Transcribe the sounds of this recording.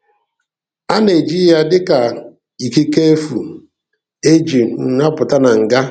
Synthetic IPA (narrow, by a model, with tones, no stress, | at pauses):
a˦ne˨d͡ʒi˦ja˦dɪ˦ka˨ | i˨ki˦ke˦e˦fu˨ | e˦d͡ʒi˨ŋ̩˨a˦pʊ˨ta˦na˨ŋ̩˨ɡa˦